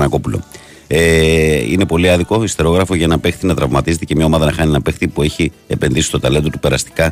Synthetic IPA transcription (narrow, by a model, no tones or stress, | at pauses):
nɐko̞pulo̞̰ | eine̞po̞liɐðiko̞ist̪e̞ɾo̞ɣɾɐfo̞ʝɐenɐpe̞xθinɐt̪ɾɐvmɐt̪ize̞t̪ecemɲɐo̞mɐðɐnɐxɐnienɐpe̞xθipue̞çi | e̞pe̞nðisist̪o̞t̪ɐle̞nd̪ot̪upe̞ɾɐst̪i̥kɐ